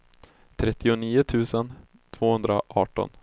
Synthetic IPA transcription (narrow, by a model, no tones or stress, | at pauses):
t̪ʰɾɛt̪ːɪʊniːʊt̪ʰʉ̟ːsən | t̪ʰv̥oːhɵnd̪ɾaʔɑːʈɔ̰n